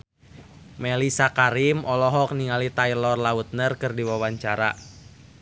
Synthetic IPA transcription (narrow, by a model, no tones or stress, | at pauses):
mɛlisakaɾimʔɔlɔɦɔk̚niŋalit̪ailɔrlaut̪̚nərkɨrdiwawaɲt͡ʃaɾa